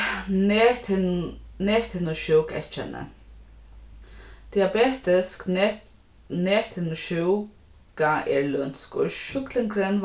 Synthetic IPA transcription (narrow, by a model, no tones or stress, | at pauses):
nɛːt̪ʰɪnʊʃɪwkɛ̰t͡ʃːa̰nə̰ | t̪ʰɪabɛːt̪ɪsk | nɛːt̪ʰɪnʊʃɪw | kaʔɛɹlʊnskɔ̰ʃʊklɪŋkʰɾɛn